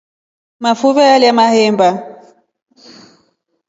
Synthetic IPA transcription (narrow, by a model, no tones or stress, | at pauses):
mafuβɛaljamahɛmba